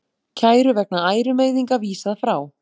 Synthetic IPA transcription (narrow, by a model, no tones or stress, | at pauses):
cʰaːjɾʏvɛk̚naaːjɾʏmeːjðiŋkaviːsaðfɾaːw